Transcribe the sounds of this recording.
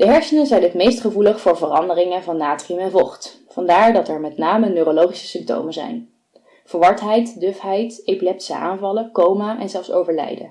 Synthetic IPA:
d̥əɦɛɹsənəzɛjnɦətmejstχəvuləχfʊːɹvərɑndərɪŋəvɑnːaːtriəmɛnvoχt | fɑndaːɹdɑtɛɹmɛtnaːmənøːrolowχisə̥sʏmp̚to̰wmənzɛ̰jn | v̥əɹʋɑɹtɦɛjtdøfɦɛjtejpilɛptisə̰ʔa̰ːnvɑləkowmaʔɛnzɛlˠfso̰wvəɹlɛ̰jdə̰

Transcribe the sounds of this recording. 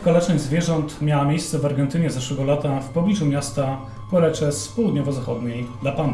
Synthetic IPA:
kalɛt͡ʂnɛzvʲjɛʐɔnt̪mʲjawamʲejst̪sɛvaɾɡɛnt̪ɘɲɛzaʂwɛɡɔlat̪afpɔblʲiʐumʲjast̪a | pɔɾɛt͡ʂɛspɔwud̪ɲɔvɔzaxɔd̪ɲejd̪lapan

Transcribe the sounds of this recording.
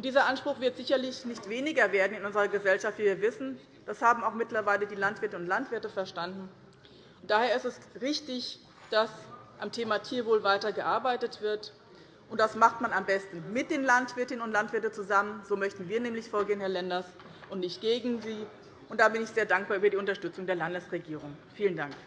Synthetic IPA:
ʔʊntd̥iːzɐʔanʃpʁ̥ʊxv̥ɪɐtz̥ɪçɐlɪçnɪçtv̥eːnɪɡɐveːɐdn̩ɪnʔʊnzəʁɐɡəzɛlʃaftv̥iːviːɐvɪsn̩ | d̥ashaːbm̩aʊxmɪtlɐvaɪlədiːlantv̥ɪɐtəʊntlantv̥ɪɐtəfɛɐʃtandn̩ | ʔʊnt̚d̥aːheːɐɪstɛsʁɪçtɪç | d̥as | ʔamtʰeːmatʰiːɐvoːlvaɪtɐɡəʔaɐbaɪtətv̥ɪɐt | ʔʊnt̚d̥asmaχtmanambɛstn̩mɪt̚d̥eːnlantv̥ɪɐtɪnənʊntlantv̥ɪɐtət͡suzamənzoːmœçtn̩viːɐnɛːmlɪçfoːɐɡeːənhɛɐlɛndɐs | ʔʊntnɪçtɡ̥eːɡŋ̩ziː | ʔʊntd̥aːbɪnɪçz̥eːɐdaŋk̚b̥aːɐʔyːbɐdiːʊntɐʃtʏt͡sʊŋdeːɐlandəsʁeɡiːʁʊŋfiːləndaŋk

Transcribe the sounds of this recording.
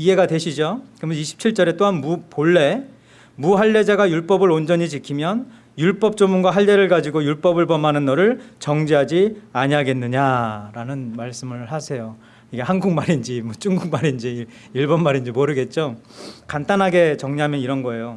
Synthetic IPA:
iɦe̞ɡadwe̞ɕʰid͡ʑokɯmʌniɕʰi̥p̚t͡ɕʰiɭt͡ɕ͈ʌɾe̞t͈oɦanmupoɭːe̞ | muɦaɭːe̞d͡ʑaɡajuɭp͈ʌbɯɾond͡ʑʌɲit͡ɕikʰimjʌn | juɭp͈ʌp̚t͡ɕ͈omuŋɡwaɦaɭde̞ɾɯɭɡad͡ʑiɡojuɭp͈ʌbɯɭbʌmanɯnːʌɾɯɭt͡ɕʌŋd͡ʑiɦad͡ʑiaɲiɦaɡe̞nːɯɲaɾanɯnmaɭs͈ɯmɯɭhasʰe̞jo | iɡe̞hanɡukmaɾind͡ʑimwʌt͡ɕ͈uŋɡuk̚maɾind͡ʑi | iɭbʌnmaɾind͡ʑimoɾɯɡe̞t̚t͡ɕ͈o | kant͈anɦaɡe̞t͡ɕʌŋɲiɦamjʌniɾʌnɡʌe̞jo

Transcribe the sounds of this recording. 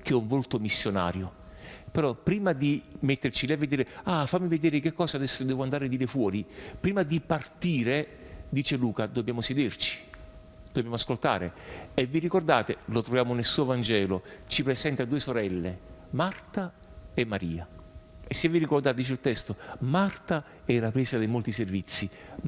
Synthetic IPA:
k̟ɛuɱvolt̪omisːjona̰ːɾjo | peɾɔpːɾiːmad̪imet̪ːert͡ʃilɛvːed̪iːɾeafamːived̪ɛːɾek̟ekːɔːsad̪ɛsːod̪ɛːvʊand̪aɾed̪iːɾefwɔːɾipɾiːmad̪ipart̪iːɾe | d̪iːt͡ʃeluːkad̪objaːmosed̪ert͡ʃi̥ | d̪̥objamʊaskolt̪a̰ːɾeevːiɾikord̪aːt̪elot̪ɾovjaːmonelsuːovand͡ʒɛːlot͡ʃipɾezɛnt̪ad̪uːesoɾɛlːemart̪a | emːaɾiːaesːevːirikord̪aːt̪d̪it͡ʃeilt̪ɛst̪omart̪a | ɛlapɾɛːzad̪ejmolt̪iservit̪sːi

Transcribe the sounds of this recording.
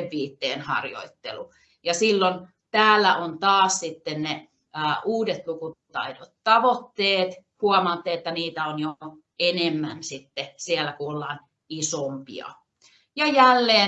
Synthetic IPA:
ʋːiːt̪ːeːnhɑ̰rjo̰it̪ːḛlu | jɑsilːon | t̪æːlːæʔont̪ɑːssit̪ːenne | əːʔuːdet̪lukut̪ɑ̰idot̪t̪ɑʋot̪ːeːt̪ | huɑmɑːt̪ːeet̪ːæniːt̪æonjo | enemːænsit̪ːesielːækuolːɑːn | isompḭɑ̰ | jɑjælːeː

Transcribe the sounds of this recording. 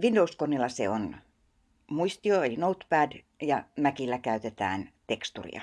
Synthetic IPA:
ʋindouskonːilːɑsḛon | muist̪ioelinout̪pæd | jɑmækilːækæyt̪et̪æ̰ːnt̪ekst̪ṵrḭɑ̰

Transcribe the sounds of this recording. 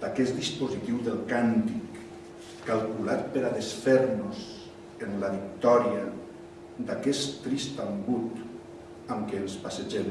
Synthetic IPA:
d̪̥akɛsd̪ispozit̪iwðelˠkant̪ikː | alˠkulat̪̚peɾaðesfɛɾnos | enlaβik̚t̪ɔɾia | d̪akɛst̪ɾist̪aŋɡut̪ | amkeːlˠspaseʒe

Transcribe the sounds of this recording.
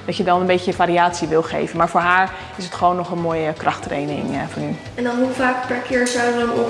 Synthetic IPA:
d̥ɑtjədɔnənbetəəfaːɾiaːtsiʋɪlˠχḛjvənmaːɹfoːɹɦaːɹ | ɪsətχəʋoːnːɔχənmoːjəkrʔɑχtrḛjnɪ̰ŋfɔny | ɛndɔnɦufaːkpɛɹkɪːɹzawdəʋəənɔ

